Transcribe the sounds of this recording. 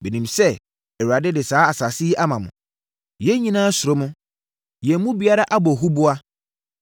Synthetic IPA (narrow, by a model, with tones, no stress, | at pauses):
be˨nĩ˨msɛ˦ | ɛ˨wa˨dɪ˦dɪ˨saː˦a˨sa˨si˦ʔa˦mã˨mʊ̰̃˨ | jɛ˦ɲĩ˦nãː˦sʊ˨ɾo˦mʊ̃˦ | jɛ˨˦mʊ̃˦bi˨a˦ɾa˦ʔa˦bɔ˨ɦu˦bʊ˦a˦